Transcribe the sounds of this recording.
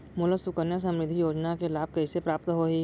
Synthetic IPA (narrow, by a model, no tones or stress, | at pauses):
mʊləsʊkənjas̬ɐ̃mɾɪd̪ʱːijoːd͡ʒnakelaːb̚kɐisepɾaːpt̪ɦoːɦiː